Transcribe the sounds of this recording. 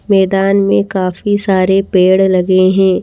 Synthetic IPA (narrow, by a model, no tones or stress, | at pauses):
mɛːd̪aːnmẽkaːfisaːɾepeːɽlɐɡeɦɛ̃ː